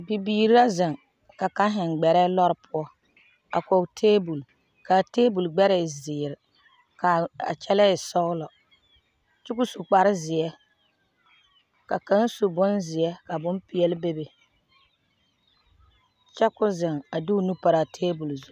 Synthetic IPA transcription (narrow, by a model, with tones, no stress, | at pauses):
bi˨biː˨˦˨ɾi˦a˦zɪ˨ŋ | ka˨ka˦ɦɪ˨ŋɡ͡bɛ˨ɾɛ˦lɔ˦ɾɪ˦pʰʊ˦ɔ˦ | a̰˨ko˨ktʰeː˦bu˨l | ka˨teː˦bu˨lɡ͡bɛ˦ɾɛ˦˨zɪː˨ɾɪ˨ | ka˨a̰˨t͡ʃɛ˦lɛ˦ɪ˨sɔ˦lɔ˨ | t͡ʃʊ˦kʊ˦su˨k͡pa˨ɾɪ˦zɪ˨ɛ˦ | ka˨ka˦n˦su˨bʊ˦nzɪ˨ɛ˦ka˨bʊ˦mpi˨ɛ˦lbe˦be˨ | t͡ʃɛ˦kʊ˦zɪ˨ŋa˨du˦nu˦pa˨ɾa˨tʰeː˦bu˨lzu˨˦